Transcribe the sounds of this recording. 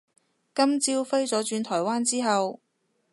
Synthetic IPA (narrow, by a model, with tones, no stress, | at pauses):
kɐ˥mt͡siː˥wfe˥jt͡sɔː˨˥t͡ʃyː˧nt̪ʰɔː˨˩jwaː˥nt͡siː˥ɦɐ˨w